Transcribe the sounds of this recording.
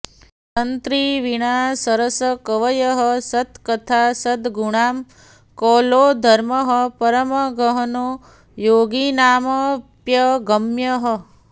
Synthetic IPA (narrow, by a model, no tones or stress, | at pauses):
t̪ɐnt̪ɾiʋiɽ̃aːsɐɾɐsɐkɐʋɐjɐɦʌsɐt̪kɐt̪ʰaːsɐd̪ɡuɳ̃aːm | kɔːloːd̪ʱɐɾmɐɦɐpɐɾɐmɐɡɐɦɐnoː | joːɡinaːmɐpjɐɡɐmjɐɦʌ